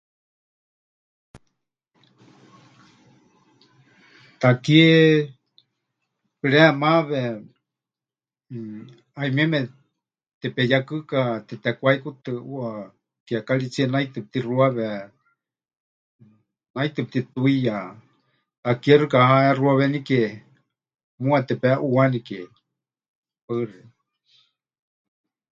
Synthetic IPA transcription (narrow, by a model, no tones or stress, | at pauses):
t̪akie | pɨɺɛmaβɛ | aimiɛmɛ | t̪ɛpɛjakɨkat̪ɛt̪ɛkʷaikut̪ɨua | kɛakaɺit͡siɛnait̪ɨp̚t̪iruaβɛ | nait̪ɨp̚t̪it̪uija | akiɛrɨkahaɛruaβɛnikɛ | muat̪ɛpɛʔuanikɛ | paɨrɛ